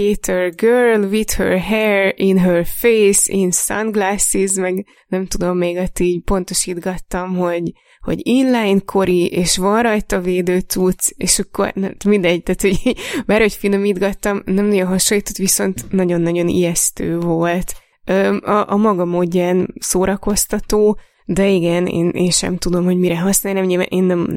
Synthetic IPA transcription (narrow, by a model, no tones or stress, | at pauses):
eːt̪ɛrɡøːrlʋid̪hø̰rɦɛrinɦørfejsinsɒ̰nɡlaːsizmɛɡ | nɛmt̪ud̪o̞mːeːɡɒt̪iːɟpo̞nt̪o̞ʃid̪ɡɒt̪ːɒmɦo̞ɟ | ho̞̰ɟinlajnkʰo̞ɾiʔeːʃʋɒnrɒjt̪ɒveːd̪øːt̪ut̪seːʃɒkːo̞̰rnɛmmind̪ɛɟ̚t̪aːt̪ho̞ɟbaːɾrho̞cfinomiːd̪ɡɒt̪ːɒmnɛmnɒɟo̞nɦɒʃolːit̪ot̪ʋiso̞nt̪nɒɟo̞nːɒɟo̞nḭjɛst̪øːvo̞lt̪ | øːɒʔɒmɒɡɒmoːɟːansoːɾɒko̞st̪ɒt̪oː | d̪ɛiɡɛnḛːnʔḛːnʃɛ̰mt̪ud̪o̞mho̞ɟmiɾɛɦɒsnaːjnɛmɲilva̰nʔeːnːɛm